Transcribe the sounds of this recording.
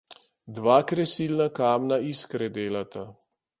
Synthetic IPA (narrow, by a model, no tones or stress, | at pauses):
d̪ʋaːkɾɛsiːlnakaːmnaiskɾɛd̪eːlat̪ʰa